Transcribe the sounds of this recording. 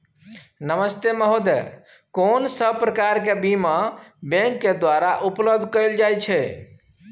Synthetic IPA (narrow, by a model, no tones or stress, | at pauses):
nəməst̪eməɦod̪e | konsəbpɾəkaɾkebimãbẽŋkːed̪waɾaʔupləb̚d̪ʱkəɪld͡ʒajt͡ʃʰɛ